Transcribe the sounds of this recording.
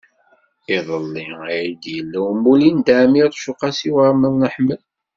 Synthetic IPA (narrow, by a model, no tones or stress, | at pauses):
iðˤəlːiiʕid̪jəlːæwəmulind̪aʕmiɾˤʃʊqɑsiwəɾˤməðnəħməl